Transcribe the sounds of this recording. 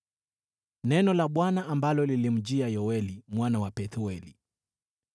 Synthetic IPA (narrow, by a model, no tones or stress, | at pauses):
nɛnɔlaɓwanaambalɔlilim̩d͡ʒiajɔwɛlimwanawapɛθuɛli